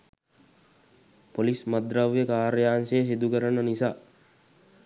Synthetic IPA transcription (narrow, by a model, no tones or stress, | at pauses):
polismad̪ɾaʋjəkaːɾjaːnsejsid̪ukəɾənːənisaː